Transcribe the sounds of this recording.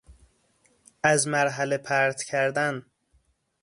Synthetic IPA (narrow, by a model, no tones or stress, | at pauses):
æzmæɾɦælepʰæɾt̪cʰæɾd̪æn